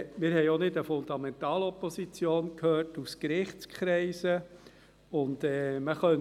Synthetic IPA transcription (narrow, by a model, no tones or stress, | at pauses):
mɪːɾhɛjonɪdəfʊnd̥̪ɑmɛnt̪ɑːlɔpɔsit͡sjoːnkhøːɾtuskɾɪχt͡skχɾɛɪsə | ʊndɛːməχœn